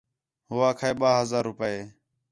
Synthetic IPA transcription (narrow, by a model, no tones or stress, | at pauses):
ɦʊʋaːkʰaːeːɓaːɦəzaːɾːʊpəːeː